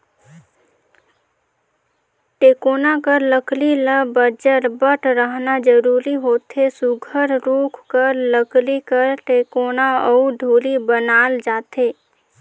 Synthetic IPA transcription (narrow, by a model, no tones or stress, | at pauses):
ʈeːkoːnakəɾləkliləbəd͡ʒəɾbəʈʰɾəɦnad͡ʒəɾuːɾiɦoːt̪ʰesʊɡʱəɾɾuːkʰkəɾləklikəɾʈeːkoːnaɔuɖʱuːlibənaːld͡ʒaːt̪eː